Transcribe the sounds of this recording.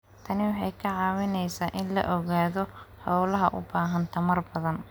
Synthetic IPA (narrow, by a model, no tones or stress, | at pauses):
t̪ʰɐnɪwɑħɑjkʰɐʕɑːwɪnɛjsaːʔɪnlɐ̰ʔɔɣaːðɔħɔwlɐɦɐʔʊ̰baːɦɐnt̪ʰɐmɐrbɐðɐn